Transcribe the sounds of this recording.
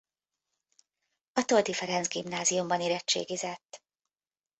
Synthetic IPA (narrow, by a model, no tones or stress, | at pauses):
ɒt̪old̪ifɛɾɛnzɡimnaːzijumbɒniɾɛt͡ʃːḛːɡizɛt̪ː